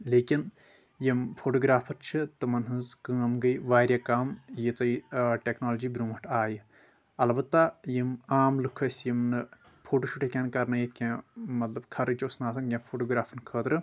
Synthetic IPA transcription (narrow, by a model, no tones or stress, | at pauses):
leːkʲin | jimpʰoːʈoːɡɾaːpʰɐɾt͡ʃʰɨt̪ɨmɐnɦɨ̃nzkɨ̃ːɐmɡɐjʋaːɾʲjaːkaːmjit͡sɐjʈʲeknoːld͡ʒiːbɾũːmɐʈʰaːji | ɐlbɐt̪ːajimaːmlɨkʰɐsʲjimnɨ | pʰoːʈoːʃuʈʰekʲaːnkɐɾnɐjit̪̚ʰkʲãːmɐt̪lɐbkʰɐɾɨt͡ʃosnaːsɐnɡʲãːpʰoːʈoːɡɾaːpʰɐnkʰəːt̪ɾɨ